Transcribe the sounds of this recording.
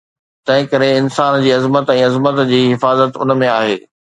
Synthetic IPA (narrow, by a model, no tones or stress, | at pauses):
t̪ɐ̃ɦɪ̃kɐɾeɪnsaːnd͡ʑiːɐzmət̪ɛ̃ːɐzmət̪d͡ʑiːɦɪfaːzət̪ʊ̰nmẽaːɦeː